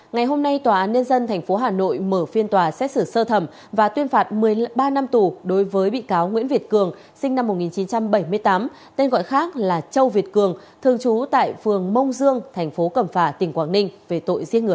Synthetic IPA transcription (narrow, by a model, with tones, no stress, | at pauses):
ŋa˨˩jɦo˧mna˧jt̪waː˨˩ʔaː˨˦nɲə˧nzə˧nt̪ʰɛ˨˩ŋ̟fo˨˦ɦaː˨˩no̰˧˨jməː˧˩fi˧ənt̪waː˨˩sɛ̰˦˥t̚sɨ˧˩səː˧t̪ʰə˧˩m | vaː˨˩t̪wi˧ənfaː˨˩t̚mɨ˨˩əjɓaː˧na˧mt̪u˨˩ɗo˨˦jvəː˨˦jɓḭ˧˨kaː˨˦wŋwḭ˧˥ənvi˨˩ət̚kɨ˨˩əŋ | sï˧ŋ̟na˧mː˨˩t̚ŋi˨˩nt͡ɕi˨˦nt͡ɕa˧mɓə˧˩jmɨ˧əjt̪aː˨˦m | t̪e˧nɣɔ̰˧˨jxaː˦˥k̚laː˨˩t͡ɕə˧wvi˨˩ət̚kɨ˨˩əŋ | t̪ʰɨ˨˩əŋt͡ɕu˨˦t̪a̰ː˧˨jfɨ˨˩əŋmə˧wŋ͡mzɨ˧əŋt̪ʰɛ˨˩jŋ̟fo˨˦kə˧˩mfaː˧˩t̪ï˨˩ŋ̟kwaː˧˩ŋnï˧ŋ̟ve˨˩t̪o̰˧˨jzi˧˥ənŋɨ˨˩ə˩